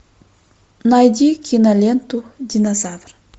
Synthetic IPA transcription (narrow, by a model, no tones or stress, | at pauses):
najd̪ʲikʰʲinalʲent̪ud̪ʲinazavr